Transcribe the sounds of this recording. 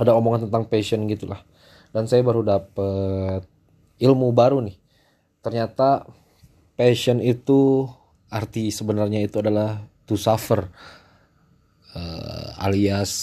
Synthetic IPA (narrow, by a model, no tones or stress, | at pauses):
adaomoŋant̪ənt̪aŋpeʃənɡit̪ulah | dansajabaɾudap̚ət̪̚ | ilmubaɾunɪh | t̪ərɲat̪a | peʃənit̪u | art̪isəbənarɲait̪uadalaht̪usafər | ə̰a̰lias